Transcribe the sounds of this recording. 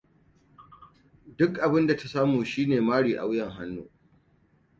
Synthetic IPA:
dʊ˦kʔa˨bɪ˦nda˨ta˦saː˦muː˨ʃiː˦neː˨maː˦ɽiː˨ʔa̰˨wjɐ˨ŋɦa˦nːṵː˦

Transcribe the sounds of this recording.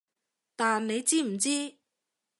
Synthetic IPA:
t̪aː˨nne˨˧jt͡siː˥m̩˨˩t͡siː˥

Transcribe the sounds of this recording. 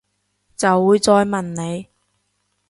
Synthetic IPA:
t͡sɐ˨wːuː˨˧jt͡sɔː˧jmɐ˨˩nne˨˧j

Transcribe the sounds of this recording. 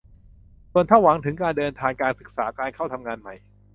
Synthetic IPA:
su˨˩ənt̪ʰa˥˩wa˩˦ŋt̪ʰɯ˩˦ŋkaː˧ndɤː˧nt̪ʰaː˧ŋkaː˧nsɯ˨˩k̚saː˩˦kaː˧nkʰa˥˩wt̪ʰa˧mŋaː˧nma˨˩j

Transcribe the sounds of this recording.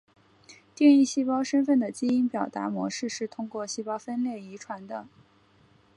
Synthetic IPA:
t̪jɛ˥˧ni˥˩ɕi˥pɑ˥ʊʂə˥nfə˥˩nd̪ə˩t͡ɕi˥i˥npjɑ˨˩ʊt̪a̰˧˥mwɔ̰˧˥ʂɻ̩˥˧ʂɻ̩˥˩t̪ʰʊ˥ŋkwɔ˥˩ɕi˥pɑ˥ʊfə˥nljɛ˥˩i˧˥ʈ͡ʂʰwa˧˥nd̪ə˧

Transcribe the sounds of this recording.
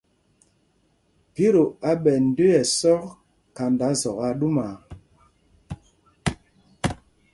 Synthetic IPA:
pi˦ɾo˨a˦ɓɛ˨n̩˨˦de˦ɛ˨sɔ˦k | ka˨nda˨˦zɔ˨ɣa˨ɗu˦ma˨

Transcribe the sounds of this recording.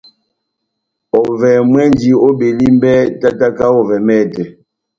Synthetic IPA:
ɔ˨vɛ˨mwɛ˦nd͡ʒi˨o˦be˨li˦m˦bɛ˦ta˦ta˦ka˦ɔ˦vɛ˨mɛː˦˨tɛ˨

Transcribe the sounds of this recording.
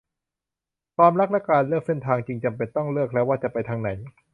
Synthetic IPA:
kʰwaː˧mɾa˦˥k̚lɛ˦˥kːaː˧nlɯ˥˩k̚se˥˩nt̪ʰaː˧ŋt͡ɕi˧ŋt͡ɕa˧mpe˧nt̪ɔ˥˩ŋlɯ˥˩ək̚lɛː˦˥waː˥˩t͡ɕa˨˩pa˧jt̪ʰaː˧ŋna˩˦j

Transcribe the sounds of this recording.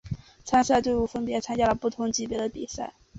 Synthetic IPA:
t͡sʰa˥nsa˥˧ɪt̪we˥˧ɪu˥˩fə˥npjɛ˧˥t͡sʰa˥nt͡ɕja˥lə˨˩pu˥˩t̪ʰʊ˧˥ŋt͡ɕi˥˩pjɛ˧˥d̪ə˧pi˨˩sa̰˥˩ɪ

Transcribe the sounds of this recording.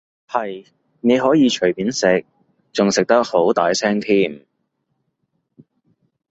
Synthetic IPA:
hɐ˨j | ne˨˧jɦɔː˨˥jiː˨˧t͡ʃʰɵ˨˩ɥpiː˨˥nsɪ˨k̚ | t͡sʊ˨ŋsɪ˨k̚t̪ɐ˥k̚ho˨˥wt̪a̰ː˨jsʰɛː˥ŋt̪ʰiː˥˩m

